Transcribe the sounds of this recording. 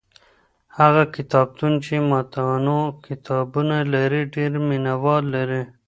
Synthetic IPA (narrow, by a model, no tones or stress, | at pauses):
haɣakɪt̪ɑb̚t̪unt͡ʃemɑt̪anokɪt̪ɑbunalaɾiɖeɾmɪnawɑɾlaɾi